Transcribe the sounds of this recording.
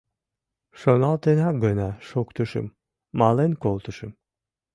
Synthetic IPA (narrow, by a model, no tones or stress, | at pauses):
ʃonalˠt̪ʰenaɡønaʃokt̪ʰuʃṵmː | alˠenkolˠt̪ʰuʃɯm